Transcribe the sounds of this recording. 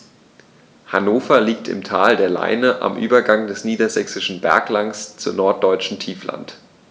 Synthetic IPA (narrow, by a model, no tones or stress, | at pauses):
hanoːfɐliːk̚tʰɪ̰mtʰaːldeːɐla̰ɪnəʔa̰mʔyːbɐɡaŋdɛsniːdɐzɛksɪʃn̩bɛ̰ɐklaŋst͡sunɔɐt̚d̥ɔʏt͡ʃn̩tʰiːfla̰nt